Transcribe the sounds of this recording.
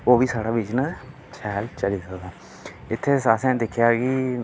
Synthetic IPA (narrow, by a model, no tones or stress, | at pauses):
oːʋiːsaːɽaːʋiːd͡ʒnə̃ | t͡ʃʰɛːlt͡ʃəliːsəkd̪aː | ɪt̪ʰːeːsaːsɛ̃ːd̪ɪkʰjaːkiː